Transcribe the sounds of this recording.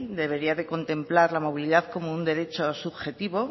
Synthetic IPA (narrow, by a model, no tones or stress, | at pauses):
d̪e̞βe̞ɾiaðe̞ko̞nt̪e̞mplaɾlamo̞β̞iliðaðko̞mound̪e̞ɾe̞t͡ʃo̞suβxe̞t̪iβo̞